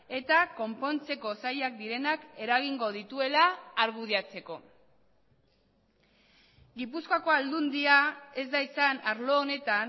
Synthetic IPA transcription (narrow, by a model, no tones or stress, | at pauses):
e̞t̪ako̞mpo̞nt͡se̞ko̞sajak̚d̪iɾe̞nake̞ɾaɣ̞iŋɡo̞ð̞it̪ue̞laːɾɣ̞uðiat͡se̞ko̞̰ | ɡipuskoakoald̪und̪iae̞zd̪ajisanaɾlo̞ːne̞t̪an